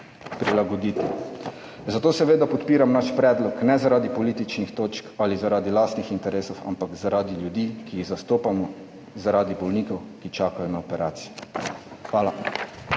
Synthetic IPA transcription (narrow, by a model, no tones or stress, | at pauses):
pɾilaɡɔd̪iːt̪i | zat̪oːsɛʋeːd̪apɔt̪piːɾamnaʃpɾɛːd̪lɔknɛzaɾaːd̪ipɔliːt̪it͡ʃnixt̪oːt͡ʃkalizaɾaːd̪ilaːst̪nixint̪ɛɾeːsɔwa̰mpaɡzaɾaːd̪iljud̪iːkiːɣzast̪oːpamɔ | zaɾaːd̪ibɔlniːkɔwkit͡ʃaːkajɔnaɔpɛɾaːt̪sij | xʋaːla